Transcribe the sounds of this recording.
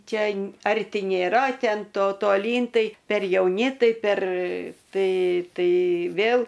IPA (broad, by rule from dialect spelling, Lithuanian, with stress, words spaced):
ˈt͡ʃʲɛ ˈɐrʲtʲɪ nʲeːˈrɐ ˈtʲɛn ˈtoː toːˈlʲiːn ˈtɐɪ pʲɛr jɛʊˈnʲɪ ˈtɐɪ pʲɛr ˈtɐɪ ˈtɐɪ ˈʋʲeːlˠ